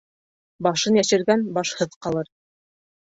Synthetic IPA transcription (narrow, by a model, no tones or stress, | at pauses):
bɑʃɤnjæʃɘ̆ɾɡænbɑʃhɤðqɑlˠɤɾ